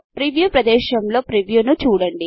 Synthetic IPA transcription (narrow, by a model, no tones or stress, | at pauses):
pɾiʋjuːpɾɐd̪ɛːʃɐmlo̞ːpɾiʋjuːnut͡ʃuːɽɐɳɖi